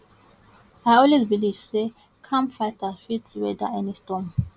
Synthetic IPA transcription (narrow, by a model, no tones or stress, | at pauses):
ajɔlwizbilivse | kʰãmfajtafitswɛdaɛ̃nestɔ̃m